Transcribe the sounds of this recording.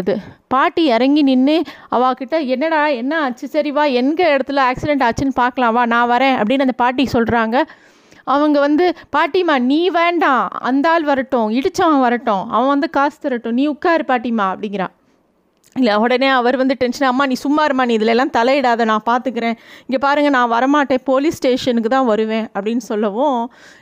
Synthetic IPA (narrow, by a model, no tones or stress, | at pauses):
ðɯpaːʈːiɛɾɐŋɡinɪnːɯɐʋãːkɪʈːɐɛnːɐɽaːɛnːɐɐt͡ʃːɯsɐɾɪʋaːɛnɡɐɛɽɐt̪ːɯlɐaːksɪɽɛɳʈaːt͡ʃːɯnɯpaːɾkɐlãːɐʋãːnãːʋɐɾẽːɐ̰pːɐɽɪnːɯɐnd̪ɐpaːɾʈ̬ːisɔlɾaːŋɡɐ | ɐʋɐŋɡɐʋɐnd̪ɯpaːʈːimaːniːʋeːɳɖãːɐ̰nd̪aːlʋɐɾɐʈːʊ̃ɪɽɯt͡ʃːɐʋɐ̃ʋɐɾɐʈːʊ̃ɐ̰ʋɐ̃ʋɐnd̪ɯkaːst̪ɐɾɐʈːʊ̃niːʊkːaːɾipaːʈːimaːɐpːɐɽɪŋɡɪɾã̰ː | ɪlːɐɔɽɐneːɐʋɐɾʋɐnd̪ɯʈɛnʂɐnɐmːaːnĩːsʊmːaːɾɯmaːniːðɪlɛlːãːt̪ɐlɐjɪɽaːðɐnãːpaːɾt̪ɯkːɪɾẽːɪŋɡepaːɾɯŋɡɐnãːʋɐɾɐmaːʈːẽːpoːlisʈeːʂɐnɯkːɯt̪ãːʋɐɾɯʋẽːɐpːɐɽɪnːɯsɔlːɐʋõː